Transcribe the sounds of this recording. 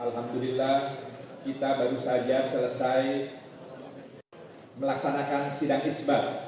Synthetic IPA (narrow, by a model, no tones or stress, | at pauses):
alɦamd̪ulilːahkit̪abaɾusad͡ʒasələsaj | məlaksanakansidaŋisbat